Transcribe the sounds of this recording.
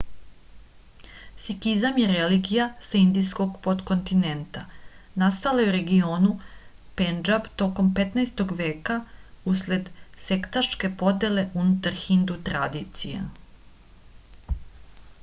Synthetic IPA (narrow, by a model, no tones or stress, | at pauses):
sikizamjeɾeliɡijasaind̪isko̞ɡpo̞t̪ko̞nt̪ine̞nt̪a | nast̪alajeuɾe̞ɡioːnu | pend͡ʒabt̪o̞ko̞mpet̪naest̪oɡʋe̞ːkausle̞d̪se̞kt̪aʃke̞po̞d̪eleʔunut̪aɾxind̪ut̪ɾa̰d̪it̪sijḛ